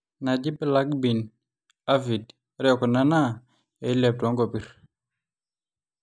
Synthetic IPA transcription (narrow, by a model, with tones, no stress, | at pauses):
na˨d͡ʒi˦bla˦k̚bi˨n | a˦vi˨d | ɾɛ˦ɔ˨kɔ˨na˦na˦ | ɛ˨˦lɛ˨p̚tɔ˨˦ŋɡɔ˨pi˨ɾ